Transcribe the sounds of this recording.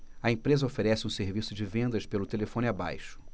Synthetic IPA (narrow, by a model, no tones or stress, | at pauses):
ɐẽpɾezɐofeɾɛsɪũseɾvisʊd͡ʒɪvẽnd̪ɐʃpelʊt̪elefõnaba̰jʃʊ̥